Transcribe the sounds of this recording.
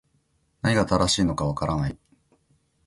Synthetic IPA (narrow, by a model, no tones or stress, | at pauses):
naɲ̟iɡat̪aɾaɕiːno̞kaβ̞akaɾanai